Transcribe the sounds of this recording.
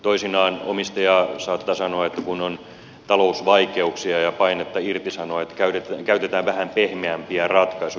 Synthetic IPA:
t̪oisinɑːno̰mist̪ɑjɑːsɑːt̪ːɑsɑnoɑet̪ːækunon | t̪ɑlousʋɑikeuksiɑjɑpɑinet̪ːɑirt̪isɑnoɑet̪ːkæyt̪et̪ækæyt̪et̪æːʋʋæhæmpehmeæmpiærɑt̪kɑisu

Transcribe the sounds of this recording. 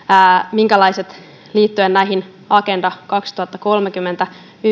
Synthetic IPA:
miŋkælɑjset̪ | liːt̪ːyennæiɦin | ɑke̞ndɑkɑkst̪uɑt̪ːɑko̞lmekymːent̪æ | y

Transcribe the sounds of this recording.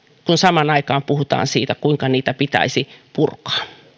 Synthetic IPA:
kunsɑmɑnɑikɑːmpuhut̪ɑ̰ːnsiːt̪ækuiŋkɑniːt̪æpit̪æ̰isipurkɑ̥ː

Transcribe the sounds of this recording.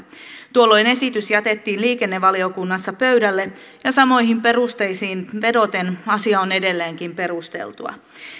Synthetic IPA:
t̪uolːo̞jne̞sit̪ysjɑt̪et̪ːiːnliːkenːeʋːɑliokunːɑsːɑpøydælːe | jɑsɑmo̞jhimpe̞rust̪eisiːnʋe̞dot̪enɑsiɑonedelːeːŋkimpe̞rust̪ḛlt̪uɑ̰

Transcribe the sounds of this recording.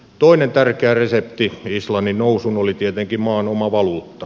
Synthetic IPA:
t̪oinent̪ærkeæresept̪iislɑnːinnousunolit̪iet̪eŋkimɑːnomɑʋɑluːt̪ːɑ

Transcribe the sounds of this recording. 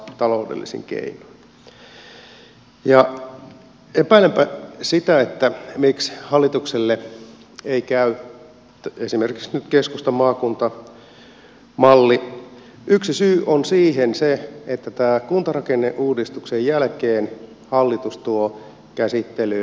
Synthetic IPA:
t̪ɑloudḛlːḭsḭŋkḛino̥n | jɑ | epæˑilempæsit̪æet̪ːæmikshɑlːit̪ukselːe | eikæy | esimerki̥ksnyt̪keskust̪ɑmɑːkunt̪ɑ | mɑlːi | ʔyksisyːʔonsiːɦenseet̪ːæt̪æːkunt̪ɑrɑkenːeʔuːdist̪uksejjælkeːn | hɑlːit̪ust̪uo | kæsit̪ːely

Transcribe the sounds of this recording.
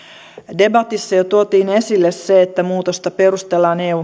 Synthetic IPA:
de̞bɑt̪isːɑjot̪uot̪iːne̞silːesseːt̪ːæmuːt̪ost̪ɑpe̞rust̪elːɑːneːuː

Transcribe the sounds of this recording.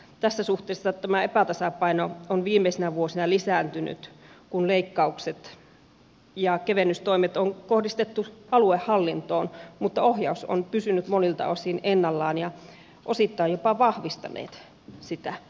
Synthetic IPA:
t̪æsːæsuht̪ˑeːsːɑt̪æmæepæt̪ɑsɑpɑinoonʋiːmeisenæʋuosinɑlisæːnt̪yny̰t̪kunleikːɑukset̪ | jɑkeʋenːyst̪oimet̪oŋkohdist̪et̪ːuɑluehhɑlːint̪oːnmut̪ːɑohjɑuso̰npysynyt̪monilt̪ɑ̰osinenːɑlːɑːnjɑ | ʔosit̪ːɑijjopɑʋɑhʋist̪ɑ̰nḛːt̪ | sit̪æ

